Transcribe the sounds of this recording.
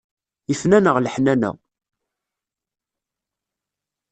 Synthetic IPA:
ifnænəʁləħnænæ̰

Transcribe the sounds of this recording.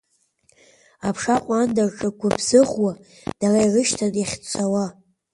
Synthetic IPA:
apʰʂaqʷʼandarʈ͡ʂʼɨkʷʰabz̥ɨʁwa | d̥arairɨʃtʰanaχʲt͡sʷʰawa

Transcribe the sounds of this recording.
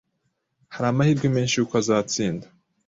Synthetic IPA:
haɾaːmahiɾɡome̞ːnʃiukazaːt͡siːndḁ

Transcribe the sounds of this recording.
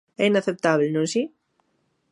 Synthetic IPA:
ɛinaθep̚t̪aβlnõnsi

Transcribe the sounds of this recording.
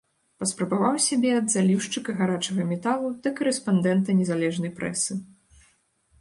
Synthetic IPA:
pɐspɾɐbavawsʲabʲɛɐd̪zalʲiwʂt͡ʂɨkɐɣaɾat͡ʂɐɣɐmʲɛt̪alˠud̪ɐkɐɾɨspand̪ɛnt̪ɐnʲɛzalʲɛʐnɐjpɾɛ̰sɨ

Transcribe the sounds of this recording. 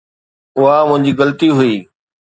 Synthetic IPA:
ʊɦamʊ̃ɦɪ̃ɲd͡ʑiːɣɐlt̪iɦʊiː

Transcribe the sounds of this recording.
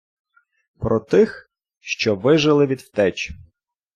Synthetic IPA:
pɾɔt̪ɪx | ʃt͡ʃɔʋɪʒɪlˠɪʋʲid̪wt̪ɛt͡ʃ

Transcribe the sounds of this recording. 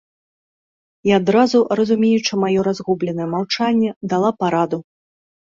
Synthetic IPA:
iad̪ɾazurɐzumʲejut͡ʂɨmajɔɾazɣublʲɛnɐjɛmawt͡ʂanʲːɛd̪alˠapaɾad̪u

